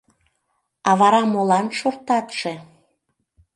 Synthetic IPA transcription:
ɑβɑɾɑmolɑnʃort̪ɑt̪ʃe

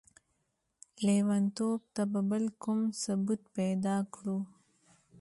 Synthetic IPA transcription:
lewant̪oːb̚t̪ababəlkumsabut̪̚ped̪ɑːkɽu

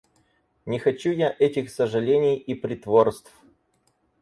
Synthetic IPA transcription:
nʲɪxɐt͡ɕujaʔɛtʲɪxsəʐɨlʲenʲɪjipɾʲɪt̪vorst̪f

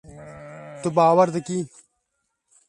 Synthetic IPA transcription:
t̪ubaːwɐɾd̪ɐkiː

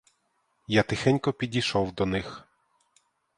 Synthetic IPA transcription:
jat̪ɪxɛnʲkɔpʲidʲiʃɔwd̪ɔnɪx

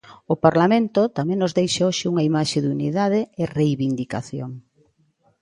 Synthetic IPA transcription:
ʊpaɾlamẽnt̪ʊt̪amẽŋnozðejʃaoʃɪuŋɐimaʃɪðuniðaðɪɪrejβind̪ika̰θjo̰ŋ

